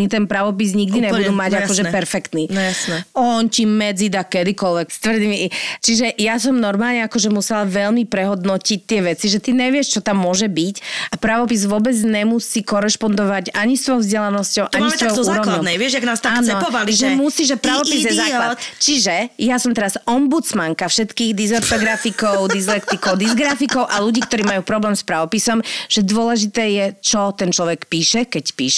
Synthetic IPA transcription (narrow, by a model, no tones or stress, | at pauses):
ɲit̪ɛnpɾaʋɔp̬izɲiɡd̪iɲɛbud̪uːmaɟakɔʒɛpɛɾfɛkt̪nijasnɛɔncimɛd͡zid̪akɛd̪ikɔlʋɛkst̪ʋrd̪imit͡ʃiʒɛʔjasɔmnɔɾmaːlɲɛakɔʒɛmusɛlʋɛʎmipɾɛɦɔd̪nɔcic̚t̪ɪɛʋɛt͡siʒɛt̪iɲɛʋɪɛʃt͡ʃɔt̪amːʊɔʒɛbicapɾaʋɔpizʋʊɔbɛd͡zɲɛmusiːkɔɾɛʃpɔnd̪ɔʋaɟaɲist̪ʋɔjɔʊzɟɛlanɔscɔʊʔaɲisʋɔjɔuːɾɔʋlɲɔɛʋɪɛʒjaɡnast̪aaːnɛɔɔʋaliʒɛmusiːʒʒɛpɾaʋɔpizjɛzaklat͡ʃiʒɛjasɔmt̪ɛɾazɔmbut͡smaŋkafʃɛt̪kiːɣd̪izɛɾt̪ɔɡɾafikɔʊd̪izlɛkt̪ikɔʊd̪izɡɾafikɔʊʔaluɟiːkt̪ɔɾiːmajuːpɾɔblɛːmspɾaʋɔpisɔmʒ̥ɛd̪ʊɔlɛʒit̪ɛːjɛt͡ʃɔt̪ɛnt͡ʃlɔʋɛkpiːʃɛkɛcpḭːʃɛ